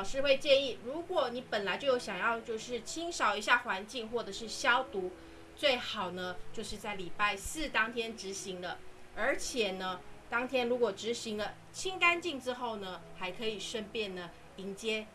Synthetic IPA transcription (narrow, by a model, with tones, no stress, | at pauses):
lɑ˨˩ʊʂɻ̩˥˧we˥˧ɪt͡ɕjɛ˥˧ni˥˩ɻu˧˥kwɔ˨˩˦ni˧˥pə˨˩nla˨˥ɪt͡ɕo˥˩ʊjo˧˥ʊɕjɑ˨˩ŋjɑ˥˧ʊt͡ɕjo˥˧ʊʂɻ̩˥˩t͡ɕʰi˥ŋʂɑ˨˩ʊi˧˥ɕja˥˩xwa˧˥nt͡ɕi˥˧ŋxwɔ˥˩ʈ͡ʂɤ˨˩ʂɻ̩˥˩ɕjɑ˥ʊt̪u˧˥ | t͡swe˥˩ɪxɑ˨˩ʊnə˦t͡ɕjo˥˧ʊʂɻ̩˥˧t͡sa˥˩ɪli˨˩pa˥˧ɪsɹ̩˥˨t̪ɑ˥ŋt̪ʰjɛ˥nʈ͡ʂɻ̩˧˥ɕi˧˥ŋlə˧ə˞˧˥t͡ɕʰjɛ˨˩nə˦t̪ɑ˥ŋt̪ʰjɛ˥nɻu˧˥kwɔ˨˩ʈ͡ʂɻ̩˧˥ɕi˧˥ŋlə˧ | t͡ɕʰi˥ŋka˥nt͡ɕi˥˩ŋʈ͡ʂɻ̩˥xo˥˩ʊnə˩xa˧˥ɪkʰɤ˧˥i˨˩ʂə˥npjɛ˥˩nd̪ə˩ | i˧˥ŋt͡ɕjɛ˥